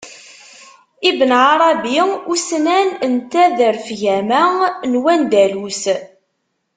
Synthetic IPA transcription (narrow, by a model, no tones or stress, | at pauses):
ibənʕaɾˤɑbiusnænənt̪æðəɾfʝæmænwænd̪ælus